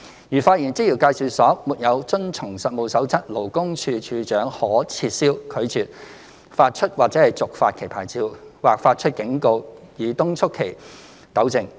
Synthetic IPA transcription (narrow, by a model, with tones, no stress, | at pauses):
jyː˨˩faː˧t̚jiː˨˩nt͡siː˥ji˨˩wkaː˧jsyː˨˩sɔː˨˥muː˨t̚jɐ˨˧wt͡sɵ˥nt͡sʰʊ˨˩ŋsɐ˨t̚mo˨˧wsɐ˨˥wt͡sʰɐ˥t̚lo˨˩wkʊ˥ŋt͡ʃʰyː˧t͡ʃʰyː˧t͡ʃœː˨˥ŋhɔː˨˥t͡sʰiː˧t̚siː˥wkʰɵ˨˧ɥt͡sʰyː˨˩t̚ | faː˧t̚t͡ʃʰɵ˥t̚waː˨˩t͡sɛ˨˥hɐ˨jt͡sʊ˨k̚fa̰ː˧t̚kʰe˨˩jpʰaː˨˩jt͡siː˧wwaː˨˩k̚faː˧t̚t͡ʃʰɵ˥t̚kɪ˨˥ŋko˧w | jiː˨˩t̪ʊ˥ŋt͡ʃʰʊ˥kʰːe˨˩j | t̪ɐ˨˥wt͡sɪ˨˧ŋ